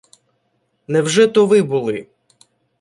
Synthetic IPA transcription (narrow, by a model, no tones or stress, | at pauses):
nɛwʒɛt̪ɔʋɪbulˠɪ